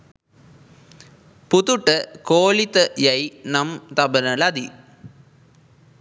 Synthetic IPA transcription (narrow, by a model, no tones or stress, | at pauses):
put̪uʈːəkoːlit̪ɐjɐjnɐmt̪ɐbɐnɐlɐd̪i